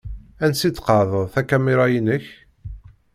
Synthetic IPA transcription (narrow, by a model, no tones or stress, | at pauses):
ænsit͡sːqɑʕðˤəðˤθækæmiɾˤɑjinəç